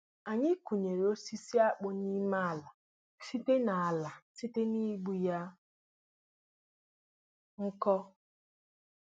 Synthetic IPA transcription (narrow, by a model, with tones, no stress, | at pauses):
a˨ɲɪ˦ku˨ɲe˨ɾe˨o˦si˦si˦a˦k͡pʊ˦ni˦ma˦a˨la˨ | si˦te˦na˨a˨la˨si˦te˦ni˦ɡ͡bu˦ja˦ | ŋ̩˦kɔ˦